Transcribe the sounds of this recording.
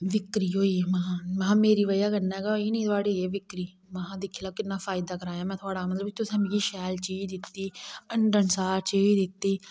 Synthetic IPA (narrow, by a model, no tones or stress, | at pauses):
ʋɪkɾiːɦoːiːmaɦãːmaːmeːɾiːʋəjaːkənːɛːɡaːɦoiːnĩːt̪ʰʊaːɽiːeːʋɪkɾiː | maɦãːd̪ɪkʰːiːlaːkɪnːaːpʰaːɪd̪aːkəɾaːjaːmɛ̃ːt̪ʰʊaːɽaːmət̪ləbt̪ʊsɛ̃ːɡiːʃɛːlt͡ʃiːd̪ɪt̪ːiːəɳɖənsaːɾt͡ʃeiːd̪ɪt̪ːiː